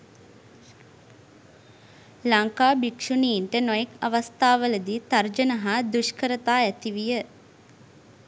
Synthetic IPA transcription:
laŋkaːbikʂuniːɳʈənojekaʋast̪aːʋələd̪it̪ard͡ʒənəɦad̪uʃkəɾət̪aːɛt̪iʋijə

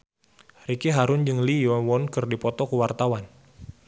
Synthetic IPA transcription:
rikiɦaɾʊnd͡ʒɨŋliɔwɔnkɨrdipɔt̪ɔkuwart̪awan

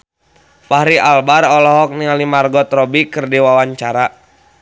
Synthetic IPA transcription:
pahɾiʔalbarɔlɔɦɔk̚nialimarɡɔt̪rɔbikɨrdiwawaɲt͡ʃaɾa

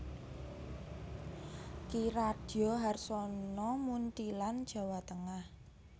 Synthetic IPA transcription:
kiɾad̥ɔɦarsɔnɔmunt̪iland̥ʒ̥a̤wat̪əŋah

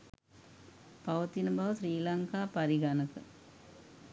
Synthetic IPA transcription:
pɐʋɐt̪inɐbaːʋɐsɾiːlaŋkaːpɐɾiɡanɯkːɯ̰

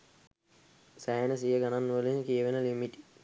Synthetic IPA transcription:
sæːənəsijəɡananːuʋəleŋkiəʋenəlimiʈi̥

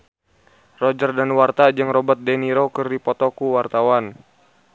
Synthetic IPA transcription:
rɔd͡ʒərdanwart̪ad͡ʒɨŋrɔbət̪̚dɛniɾokɨrdipɔt̪ɔkuwart̪awan

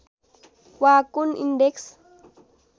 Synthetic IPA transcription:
waːkːʊnɪ̰nɖeks

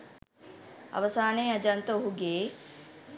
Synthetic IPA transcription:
ɐ̰ʋəsaːneːɐd͡ʒant̪əoɦuɡeː

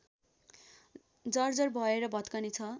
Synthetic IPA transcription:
d͡zʌrd͡zʌrbʱʌeɾʌbʱʌt̪kanit͡sʰʌ

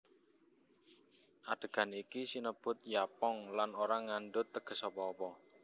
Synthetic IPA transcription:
ʔaɖ̥ə̤ɡ̥a̤nikisinəb̥ʊ̤t̪̚japɔŋlanoɾaŋaɳɖʊt̪ːəɡ̥ə̤sɔpɔːpɔ

